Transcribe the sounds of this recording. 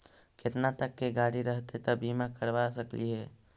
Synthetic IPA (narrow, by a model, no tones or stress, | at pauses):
kɪt̪nat̪əkːeɡaːɽiɾəɦt̪et̪əbimãkəɾʋasəklḭɦɛː